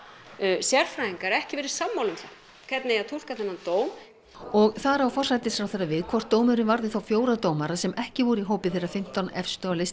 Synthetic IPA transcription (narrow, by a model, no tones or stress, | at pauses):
sjɛɾ̥fɾaiŋkaɾɛhcɪvɛːɾɪɾ̥samːawlʏmθa | kʰvɛt̪nɛaðt̪ʰul̥kaθɛnːant̪oːwm | ɔɣθaɾawfɔr̥sːajt̪ɪsɾawθɛrːavɪðkʰvɔr̥t̪ːoːwmʏɾɪvaɾðɪθawfjoːwɾat̪oːwmaɾasɛmɛhcɪvɔɾiɦoːwpɪθejrafɪm̥t̪anɛ̰fst̪œalɪs